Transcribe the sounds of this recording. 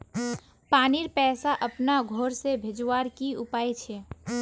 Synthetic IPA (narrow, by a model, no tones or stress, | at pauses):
paːniɾpɛːsaʔəpnaɡʱoɾsebʱed͡ʒwaɾkiʊpaːjt͡ʃʰɛ